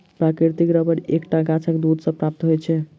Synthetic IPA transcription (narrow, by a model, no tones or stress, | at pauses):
pɾakɾiɾt̪ikɾəbəɾekʈaɡãt͡ʃʰəkd̪ud̪ʱsə̃pɾap̚t̪ɦojt͡ʃʰɛ